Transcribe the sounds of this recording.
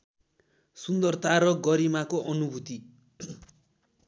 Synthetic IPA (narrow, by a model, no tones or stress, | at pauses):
sund̪ʌrt̪ʰaɾʌɡʌɾimakoʔʌnubʱut̪i